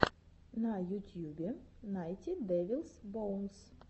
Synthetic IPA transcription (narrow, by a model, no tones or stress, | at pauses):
nɐjʊtʲjubʲɪnajt̪ʲid̪ɛʋʲilˠsbɔwns